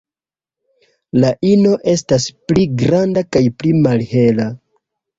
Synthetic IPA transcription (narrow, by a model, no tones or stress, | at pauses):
laʔino̞ʔe̞staspliɡɾandakajplimalhe̞la